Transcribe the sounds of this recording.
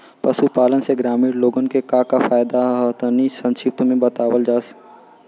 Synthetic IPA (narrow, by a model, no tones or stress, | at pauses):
pɐsupaːlənseɡɾaːmiːɽloːɡənkekakafaːjd̪aɦət̪nisə̃nʃɪp̚t̪mẽbət̪aːwəld͡ʒaːs